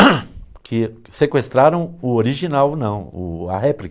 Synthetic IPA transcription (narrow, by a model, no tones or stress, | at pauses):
kʰɪ | sekwest̪ɾaɾɐ̃w̃ʊoɾiʒinawnɐ̃w̃ʊ̰a̰ɦɛplik